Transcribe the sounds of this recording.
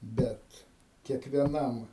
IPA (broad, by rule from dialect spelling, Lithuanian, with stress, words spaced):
ˈbʲɛt kʲiɛkʋʲiɛˈnɐm